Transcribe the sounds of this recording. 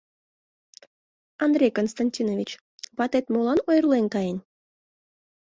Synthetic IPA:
and̪rʲejkonst̪anʲtʲinovʲit͡ɕ | βɑt̪et̪molˠɑnojrlˠenkɑjenʲ

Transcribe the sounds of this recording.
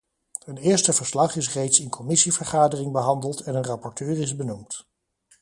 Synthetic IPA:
ənɪːɹstəvəɹslɑχɪsrejtsɪnkʰɔmɪsivəɹχaːdərɪŋbəɦɑndəlˠtɛnənrɑpɔɹtøːɹɪzbənumt

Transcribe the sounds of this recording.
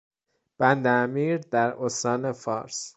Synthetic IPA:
b̥ænd̪eːmiːɾd̪æɾost̪ɒːne̞fɒ̰ːɾs

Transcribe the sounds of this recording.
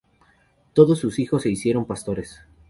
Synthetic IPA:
t̪o̞ðosːusixo̞sːe̞isje̞ɾo̞mpast̪o̞ɾe̞s

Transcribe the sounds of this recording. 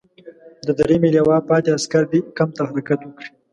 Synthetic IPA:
d̪əd̪aɾimeljawɑpɑt̪easkaɾd̪ikamt̪aɦaɾakat̪wəkɽi

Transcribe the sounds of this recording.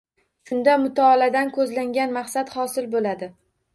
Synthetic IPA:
ʃʊnd̪amʊt̪ʰɒːlad̪ankʰɵzlaŋɡʲanmaqsad̪hɒsɪlbolad̪ɪ

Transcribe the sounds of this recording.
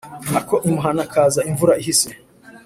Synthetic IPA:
nakoʔimuɦanakʰaːzaiɱvuɾaiɦise

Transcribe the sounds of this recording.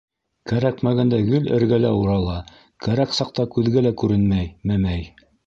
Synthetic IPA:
kæɾækmæɡænd̪æɡɘlɘ̰̆ɾɡælæuɾɑlˠɑ | kæɾæksɑqt̪ɑkʉðɡælækʉɾɘnmæjmæmæj

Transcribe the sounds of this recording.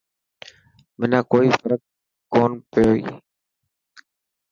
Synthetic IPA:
mɪnãːkoːiːfəɾək̚ | koːnpɪjoːḭː

